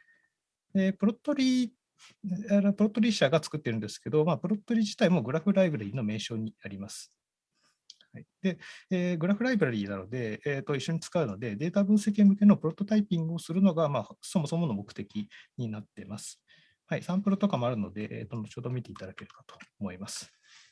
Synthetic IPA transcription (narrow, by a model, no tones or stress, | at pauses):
eːpɯ̟ɾo̞t̪ːoɾʲi | aɾepɯɾo̞t̪ːo̞ɾʲiɕaɡat͡sɨ̥kɯ̟t̪ːe̞ɾɯ̟nd̪e̞sɨ̥ke̞d̪o̞maːpɯ̟ɾo̞t̪ːo̞ɾʲiʑi̥t̪aimo̞ɡɯ̟ɾaɸɯ̟ɾaibɯɾaɾʲiːno̞me̞ːɕo̞ːɲ̟iaɾʲimasɨ̥ | haid̪̥e̞eːɡɯ̟ɾaɸɯ̟ɾaibɯɾaɾʲiːnano̞d̪e̞ːt̪o̞iɕːo̞ɲ̟it͡sɨ̥kaɯ̟no̞d̪e̞d̪e̞ːt̪abɯ̟ːse̞k̬ʲimɯ̟ke̞no̞pɯ̟ɾo̞t̪ːo̞t̪aipʲĩŋɡɯ̟o̞sɨɾɯ̟no̞ɡamaːso̞mo̞somo̞no̞mo̞kɯ̟t̪e̞kʲiɲ̟inat̪ːe̞masɨ̥ | haisãmpɯ̟ɾot̪o̞kamo̞aɾɯ̟no̞̰d̪e̞ʔḛːt̪onot͡ɕo̞ːd̪o̞mʲit̪e̞it̪ad̪ake̞ɾɯ̟kḁt̪o̞̥ːmo̞imasɨ̥